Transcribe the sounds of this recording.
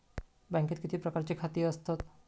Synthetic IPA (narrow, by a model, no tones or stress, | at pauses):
bɛ̃ŋket̪̚kit̪ʰipɾəkaɾt͡ɕikʰat̪iəst̪ʰɔt̪